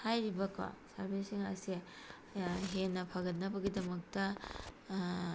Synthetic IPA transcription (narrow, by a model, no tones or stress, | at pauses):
hajɾibɐkʰa̰sɐ̰ɾbʱisiŋɐ̰se | ɦenːɐpʰɐɡɐt̚nɐbɐɡidɐmɐk̚tɐ